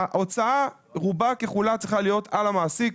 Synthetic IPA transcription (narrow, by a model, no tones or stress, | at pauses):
ʔo̞t͡saa | ʁubakeχulat͡sʁiχalijo̞t̪ʰalamaːsik